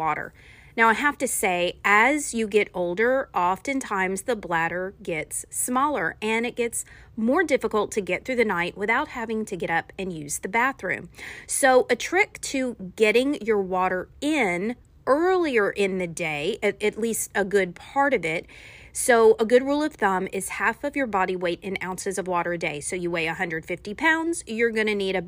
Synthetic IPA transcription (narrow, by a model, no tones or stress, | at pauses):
ɔɾə̰˞ | naʊaɪɦæftɨseɪɨzjɨɡɛɾoʊlˠdə˞ʔɑftɨ̃ntʰãɪ̃mzðəblæɾə˞ɡɛtsmɔlˠə˞ɨ̃ñɨt̚ɡ̥ɛts | mɔɹdɪfəkəl̩ˠtʰɨɡɛt̪̚θɹʉðɨnaɪʔ̚wɨθaʊt̚hævɪ̃ŋtʰɨɡɛɾʌpɨ̃njʉz̥ðɨbæθɹʉ̰̃msoʊʔɨtʰɹ̥ɪk̚tʰɨɡɛɾɪ̃ŋjə˞wɔɾə˞ɪ̃n | ɜ˞lˠiə˞ʔɪ̃nðɨdeɪɨɨtˡlistəɡʊd̚pʰɑɹɾʌvɪt̚soʊʔəɡʊd̚ɹulˠʌv̥θʌ̃mɪz̥hæfʌvjə˞bɑɾiweɪɾɨ̃nã̰ʊ̃nsɨzʌvwɔɾə˞ɨdeɪsoʊjɨweɪɨhʌ̃ndɹɨd̥fɪftipʰãʊ̃ndz̥jə˞ɡʌñɨniɾɨ